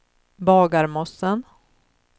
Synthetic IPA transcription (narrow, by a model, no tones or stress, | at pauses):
bɑːɡaɾmɔsːən